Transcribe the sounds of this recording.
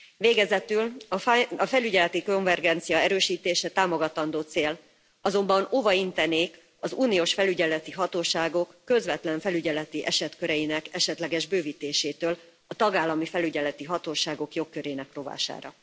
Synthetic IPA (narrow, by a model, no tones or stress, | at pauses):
veːɡɛzɛt̪ylɒɒfɛlyɟɛlɛt̪iko̞ɱvɛrɡɛnt̪sijɒɛɾøːʃiːt̪eːʃɛt̪aːmo̞ɡɒt̪ɒnd̪oːt̪seːl | ɒzo̞mbɒno̞vɒint̪ɛneːk | ɒzuːnioːʃfɛlyɟɛlɛt̪iɦɒt̪oːʃaːɡo̞kːø̞zʋɛt̪lɛɱfɛlyɟɛlɛt̪iʔɛʃɛt̪køɾɛjinɛkɛʃɛt̪lɛɡɛʒbøːviːt̪eːʃeːt̪øːl | ɒt̪ɒɡaːlːɒmifɛlyɟɛlɛt̪iɦɒt̪oːʃaːɡo̞kjo̞kːø̞ɾeːnɛkro̞va̰ːʃa̰ːɾɒ̰